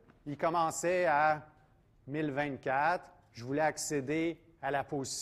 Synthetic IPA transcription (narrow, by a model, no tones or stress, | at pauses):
ikɔmɑ̃ːsɛa | mɪlvɛ̃t̪̚kʲat̪χ | ʒəvulɛaksed̪e | alapozis